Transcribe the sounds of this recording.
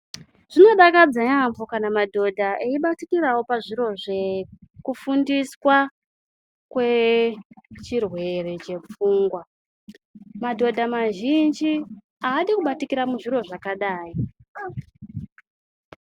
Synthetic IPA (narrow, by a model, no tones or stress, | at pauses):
ʐ̥ino̞ɗakad͡zaɲamvokanamadʱo̞dʱaʔeiɓatikirawo̞paʐiɾo̞ʐe̞kufundiswa | kwe̞ | t͡ʃirwe̞re̞t͡ʃe̞p͡fuːŋɡwa | madʱo̞dʱamaʒind͡ʒi | aːɗikuɓatikiɾamuʐiɾo̞ʐakaɗaːi